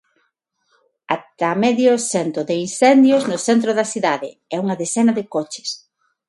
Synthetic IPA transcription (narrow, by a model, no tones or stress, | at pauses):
at̪amɛðjʊsɛnt̪ɾoðeinsɛnd̪joznʊθɛnt̪̬ɾoðɐsiðaðɪ̰ɛuŋɐðesɛnɐðekot͡ʃɪ̥s